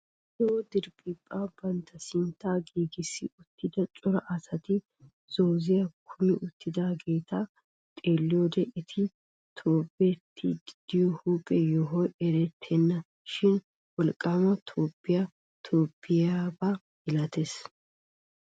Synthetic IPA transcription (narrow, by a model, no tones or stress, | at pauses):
dɛwɔd̪ɪɾpʼiːpʼːaːbɐnt̪ɐsɪnt̪ːaːɡiːɡɪsːɪʊt̪ːɪd̪ɐt͡ʃʼɔɾɐʔɐsɐt̪ɪ | z̥o̞ːzɪjɐkʰʊmɪʔʊt̪ːɪd̪aːɡe̞ːt̪ʰa | t̪ʼe̞ːlːɪjoːd̪ɛʔɪt̪ʰɪ | t̪ʰoːbɛt̪ʰːɪ̰d̪ɪd̪̥ɪjɔhuːpʼɛjɔɦɔjɛɾɛt̪ʰːɛnːɐ | ʃɪn | wɔlkʼːaːmɐt̪ʰoːpːɪjɐ | t̪ʰoːpːɪjaba | ɡɪlɐt̪es